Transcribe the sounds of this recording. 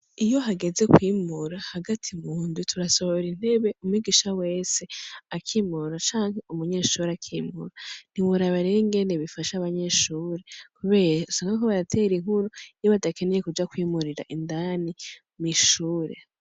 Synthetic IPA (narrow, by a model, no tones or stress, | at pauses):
ijo̞ɦaɡe̞ze̞kwiːmuɾahaɡatʰimuːndutʰuɾasoβoɾin̥he̞βe̞umwiɡiʃawe̞ːse̞akʰimuɾat͡ʃaːŋɦe̞umuɲe̞ːʃuːɾeakʰiːmṵɾan̥imuɾaβaɾeiŋɡendeβifaʃaβaɲe̞ʃuːɾekuβe̞ːɾɾausaːŋɡakoβaɾatʰe̞ɾiŋ̥uɾuijoβadake̞neje̞kud͡ʒakwiːmuɾiɾa̰ʔindani | miʃuːɾe̞̰